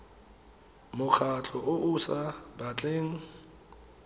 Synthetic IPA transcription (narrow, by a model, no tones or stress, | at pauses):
mʊkʰat͡ɬʰʼɔʔʊʔusabat͡ɬʼeːŋ̩